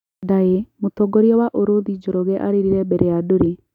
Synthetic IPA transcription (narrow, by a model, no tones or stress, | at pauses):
d̪aemut̪ɔɡɔɾijɔwaʔoɾod̪id͡ʒɔɾɔɡɛʔa̰ɾiɾiɾɛbɛɾɛjaduɾi